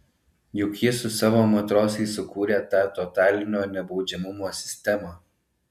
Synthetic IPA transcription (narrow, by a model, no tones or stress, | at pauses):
jʊkʲjɪsʊsɑːʋoːmɐt̪ɾoːsʲɛɪsʊkuːɾʲeːt̪ɑːt̪ɔt̪ɑːlʲɪnʲoːnʲɛbɒʊd͡ʒʲɛmʊmoːsʲɪ̥sʲt̪ʲɛmɑ